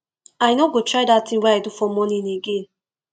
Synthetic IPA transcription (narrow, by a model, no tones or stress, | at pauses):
aɪnoɡotʰɹaɪdatʰĩnwɛaɪdufɔmɔnĩneɡẽn